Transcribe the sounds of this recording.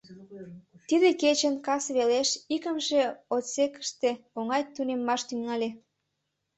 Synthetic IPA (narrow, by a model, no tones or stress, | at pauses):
t̪id̪eket͡ɕənkɑsβeleʃikəmʃeot̪sekə̥ʃt̪eoŋɑjt̪unemːɑʃt̪yŋɑlʲe